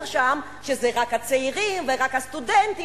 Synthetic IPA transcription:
ʁʃam | ʃezɛʁakhat͡seiʁimveʁakhast̪udɛnt̪i

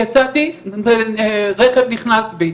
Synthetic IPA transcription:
at͡sat̪i | ʁeχevniχnasbe

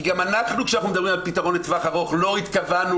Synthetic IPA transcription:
ɡamanaχnukʃanaχnumed̪abʁimalpit̪aʁo̞nlet̪vaχaʁo̞χlo̞it̪kavanu

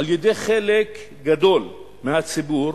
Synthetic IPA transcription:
aljed̪eχelek | ɡad̪o̞l | mehat͡sibuɾ

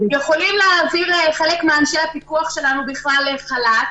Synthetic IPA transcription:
jeχo̞limleaviʁχe̞lekmeanʃehapikuaχʃe̞lanubiχlaleχalat

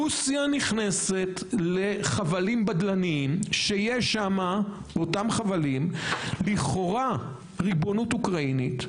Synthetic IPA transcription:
usijaniχnese̞t | le̞χavalimbadlaniimʃeijeʃama | botamχavalimliχoʁa | ʁibo̞nutukʁainit

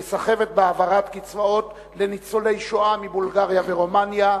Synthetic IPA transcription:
esaχe̞ve̞t̪̚beavaʁat̪kit͡svao̞t̪ | le̞nit͡solejʃoamibulɡaʁjave̞ʁomanja

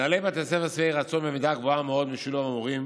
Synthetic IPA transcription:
alebat̪esefasviejʁat͡sonmemid̪aɡvoameo̞d̪miʃilomamuʁim

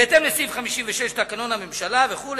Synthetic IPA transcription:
et̪e̞mlesifχamiʃimveʃeʃt̪akano̞nhame̞mʃalaveχul

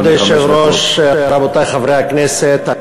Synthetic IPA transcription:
d̪ejʃevɾoʃaɾabot̪ajχavɾeaknɛset̪a

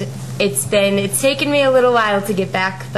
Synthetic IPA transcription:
ɨtsðɨ̃nɨtstʰeɪkɨ̃nmiəlɪɾl̩ˠwaɪlˠtʰɨɡɛt̚b̥ækð

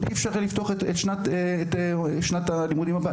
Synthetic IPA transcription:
iefʃaʁlift̪oaχetetʃnat̪etʃnat̪alimud̪imhaba

